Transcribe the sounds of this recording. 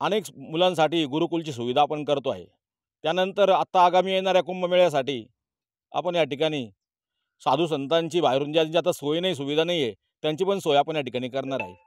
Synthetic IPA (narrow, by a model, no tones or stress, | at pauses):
ənekmulãns̬aʈiːɡuɾukult͡ɕiːs̬uʋid̪ʱaːpəɳkəɾt̪oa̰ɦḛ | t̪janənt̪əɾat̪aːɡamiːjeɳ̃aɾjakumbəmeɭjas̬aʈiː | a̰pəɳjaʈikaɽ̃iː | sad̪ʱuːs̬ənt̪ãɲt͡ɕiːbajɾund͡ʑjat̪iɲt͡ɕat̪asojnais̬uʋid̪ʱanaije | t̪jãɲt͡ɕiːpəɳsojapəɳjaʈikaɽ̃iːkəɾɳaɾa̰ɦḛ